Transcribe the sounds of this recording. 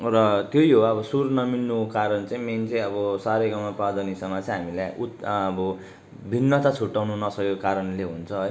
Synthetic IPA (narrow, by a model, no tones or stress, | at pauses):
rʌt̪jojɦoʌbʌsurnʌminːukaɾʌnt͡sãĩment͡seĩʌbʌsaɾejɡʌmaprad̪ʌnisʌŋmat͡saj̃ɦamilajut̪ʌbʌ | bʱinːʌt̪at͡sʰuʈːawnunʌsʌkeokaɾʌnleɦunt͡sʰʌɦoj